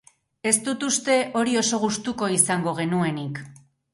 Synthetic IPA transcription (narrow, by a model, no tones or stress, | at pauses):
e̞st̪ut̪ust̪e̞ʔo̞ɾio̞so̞ɣ̞ust̪uko̞isaŋɡo̞ɣ̞e̞nue̞nik